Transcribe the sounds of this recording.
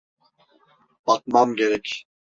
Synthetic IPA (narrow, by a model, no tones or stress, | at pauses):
pɑt̪̚mɑmɡɛɾɛkʰʲ